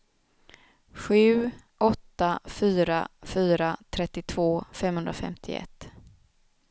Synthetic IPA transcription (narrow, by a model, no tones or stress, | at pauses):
ɧʉ̟ːʔɔt̪ːafyːɾafyːɾat̪ʰɾɛt̪ːɪt̪ʰvoːfɛmhɵnd̪ɾafɛ̰mt̪ʰɪ̰ɛ̰t̪ː